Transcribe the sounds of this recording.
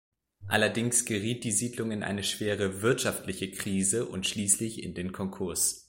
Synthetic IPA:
ʔa̰lɐdɪŋsɡ̥əʁ̞iːt̚d̥iːziːdlʊŋɪnʔa̰ɪnəʃv̥eːʁ̞əvɪɐtʃaftlɪçəkʁ̥iːzəʔʊ̰ntʃliːslɪçɪ̰ndeːnkʰɔŋkʰʊɐs

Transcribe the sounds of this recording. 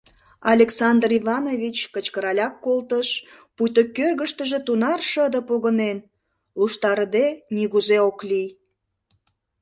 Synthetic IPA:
ɑ̰lʲeksɑnd̪rivɑnovʲit͡ɕkət͡ɕkəɾɑlʲɑkːolt̪əʃ | pujt̪okørɣəʃt̪əʒe̽t̪unɑrʃəd̪ə̆poɣənen | luʃt̪ɑɾəd̪eniɣuzeoklij

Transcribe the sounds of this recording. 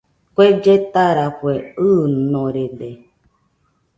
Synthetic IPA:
kʷed͡ʒetaɾakʷeɯnɔɾede

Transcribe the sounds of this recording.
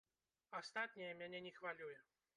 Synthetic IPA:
ast̪at̪ʲnʲɛjɐmʲanʲɛnʲɛxvalʲujɛ

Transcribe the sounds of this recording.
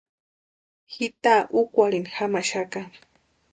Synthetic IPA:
xit̪aːʔʊkʷaɾinxamaʃaka

